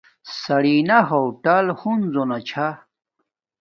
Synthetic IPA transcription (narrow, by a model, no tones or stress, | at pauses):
sɐɽinɐɦowʈɐlhunzonat͡ɕʰa